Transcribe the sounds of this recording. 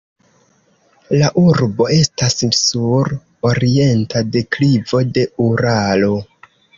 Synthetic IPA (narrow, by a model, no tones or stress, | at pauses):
laʔuɾbo̞e̞stassuɾ | o̞ɾie̞ntade̞klivo̞de̞uɾalo̞